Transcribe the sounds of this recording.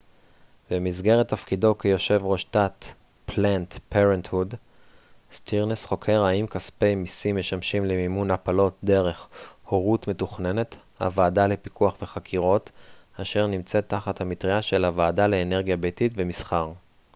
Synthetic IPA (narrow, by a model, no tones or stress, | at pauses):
bemizɡe̞ʁet̪ːafkido̞kejo̞ʃe̞vʁoʃtat | plantpeʁenthud | stiʁnesχo̞kʰe̞ʁaimkaspe̞jmisimːeʃamʃimlemimunapalo̞t̚d̪e̞ʁe̞χhoʁutme̞tuχne̞ne̞t̪ | ha̰vaːdalepikuaχveχakʰiʁo̞taʃe̞ʁnimt͡se̞t̪ːaχathamitʁiaʃe̞lavaːdaleːne̞ʁɡjabejtitvemisχaʁ